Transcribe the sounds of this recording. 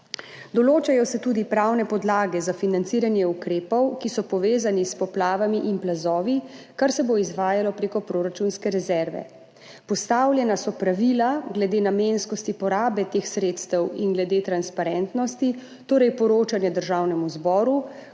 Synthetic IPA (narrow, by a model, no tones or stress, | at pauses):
d̪ɔloːt͡ʃajɔsɛt̪uːd̪ipɾawnɛpɔd̪laːɡɛzafinant̪siːɾanjɛukɾeːpɔwkisɔpɔʋeːzanispɔplaːʋamiʔinplazɔːʋi | kaɾsɛboizʋaːjalɔpɾeːkɔpɾoːɾat͡ʃunskɛɾɛzɛɾʋɛ̰ | pɔst̪aːwljɛnasɔpɾaʋilaɡlɛd̪eːnameːnskɔst̪ipɔɾaːbɛt̪eːxsɾeːt̪st̪ɛwinɡlɛd̪eːt̪ɾanspaɾɛnt̪nɔst̪i | t̪oːɾɛjpɔɾoːt͡ʃanjɛd̪əɾʒaːwnɛmuzbɔːɾu